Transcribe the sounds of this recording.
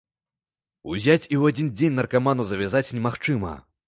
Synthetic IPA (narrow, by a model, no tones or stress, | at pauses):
uzʲat͡sʲiwad͡zʲind͡zʲenʲnɐrkamanuzɐvʲazat͡sʲnʲɛmaxt͡ʂɨmɐ̰